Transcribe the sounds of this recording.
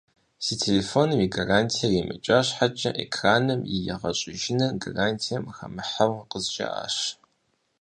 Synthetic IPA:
sitʰelefonɨmiɡaraːntʰijɐrimɨ̰t͡ʃʼaɕħat͡ʃʼɐʔekʰraːnɨmjɪjɛʁɐɕʼɪʒɪnɐɡaraːntʰijɐmxɐ̰mɨħawqəzt͡ʃʼɐ̰a̰ːɕ

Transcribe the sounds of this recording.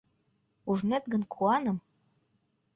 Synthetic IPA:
uʒnet̪̚ɡə̆nkʰuɑnɤ̆m

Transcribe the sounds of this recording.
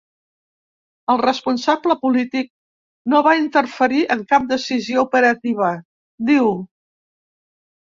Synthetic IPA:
əlˠrəspunsabləpulit̪ik̚ | noβaint̪ərfəɾiʔəŋkap̚d̪əsizioupəɾət̪iβ̞ə | d̪iw

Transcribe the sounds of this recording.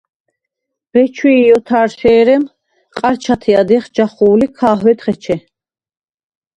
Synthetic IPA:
bɛt͡ʃʰwiːjɔt̪ʰaːɾʃɛːɾɛm | qʼaɾt͡ʃʰat̪ʰiad̪ɛχd͡ʒaχuːlikʰaːɦwɛd̪χɛt͡ʃʰɛ

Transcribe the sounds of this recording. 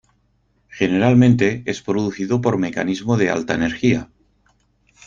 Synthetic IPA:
xe̞ne̞ɾalmẽnt̪e̞espɾoðuθiðopo̞ɾme̞ka̰nizmoðea̰lt̪aene̞ɾxia

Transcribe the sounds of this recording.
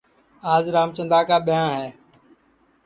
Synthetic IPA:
aːzɾaːmt͡ʃə̃nd̪aːkaːɓɪjãːɦɛː

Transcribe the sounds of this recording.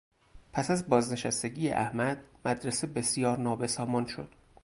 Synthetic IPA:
pʰæsæzbɒːzne̞ʃæst̪eɟijḛʔæhmæd̪mæd̪ɾesebe̞sjɒːɾnɒːbe̞sɒːmɒːnʃod̪̥

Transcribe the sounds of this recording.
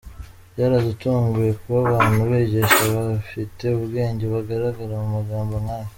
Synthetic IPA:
jaɾazutuːŋɡuje̞kuβaβaːn̥huβeɟe̞ʃaβafite̞uβɡe̞ːɲɟe̞βaɡaɾaɡaɾamumaɡaːmboŋaːje

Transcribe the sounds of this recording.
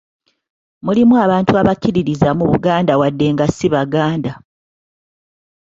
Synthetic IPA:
mulimuaβaːntuaβakːiɾiɾizamuβuɡaːndawadːe̞ŋɡasiβaɡaːnda

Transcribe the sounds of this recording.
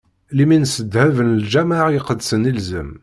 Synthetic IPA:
liminsəd̪hævənəld͡ʒæmaʕjqəd̪sənilzəm

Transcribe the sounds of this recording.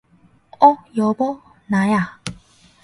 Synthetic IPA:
ɔjobɔ | naja

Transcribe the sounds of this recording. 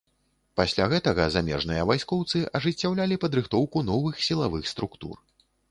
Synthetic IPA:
pasʲlʲaɣɛt̪ɐɣɐzamʲɛʐnɨjɐvajskɔwt̪sɨʔɐʐɨt͡sʲːawlʲalʲipɐd̪ɾɨxt̪ɔwkun̪ɔvɨxsʲilˠavɨxst̪ɾukt̪ṵr

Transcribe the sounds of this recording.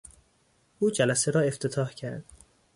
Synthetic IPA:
ʔuːd͡ʒælæseɾɒːe̞ft̪ʰet̪ʰɒːhcʰæɾd̪̥

